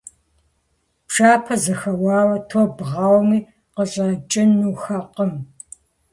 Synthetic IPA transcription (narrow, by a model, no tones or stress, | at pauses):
pʂaːpʰɐzɐxɐwɑːwɐtʰoːbʁɑːwmiː | qəɕʼɐt͡ʃʼɪnːuːxɐqəm